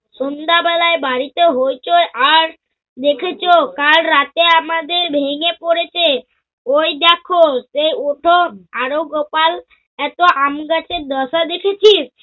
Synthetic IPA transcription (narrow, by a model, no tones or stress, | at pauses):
sond̪abɛlaebaɾit̪eɦojt͡ʃʰoʔaɾ | d̪ekʰet͡ʃʰokalɾat̪eamad̪eɾbʱeŋepoɾet͡ʃʰe | ojd̪ɛkʰosejoʈʰoaɾoɡopal | ɛt̪oʔamɡat͡ʃʰeɾd̪ɔsad̪ekʰet͡ʃʰis